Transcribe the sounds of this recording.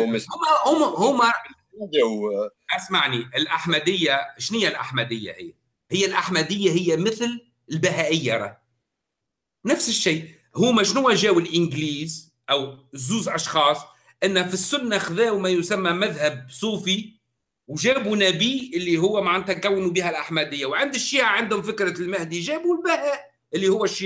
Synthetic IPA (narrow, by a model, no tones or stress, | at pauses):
hʊhʊmhʊːmæ | ʔasmaʕniʔɪlʔaħmæd̪ɪjːaʃnɪjːælʔaħmæd̪ɪjːa̰hɪ̰jːæ | hɪjːælʔaħmæd̪ɪjːaɦɪjːæmɪθl | ɪlbɪɦæʔɪjːaɾˤɑ̰ː | nafsɪʃːiː | hʊːmæʃnʊwːæʒæːwɪlʔɪnɡliːz | ʔæwzuːzʔɑʃxɑːsˤ | ʔɪnːfisːʊnːaxðæːwmæjʊsæmːæmæðhæb̚sˤuːfi | wʒæːbunæbiːʔɪlːiɦʊwːæmaʕant̪ækæwːnubiːhælʔaħmæd̪ɪjːawʕɪnd̪ɪʃːiːʔaʕand̪hʊmfɪkɾɑlmæhd̪iʒæːbulbæhæːʔ | ʔɪlːihʊwːæʃːi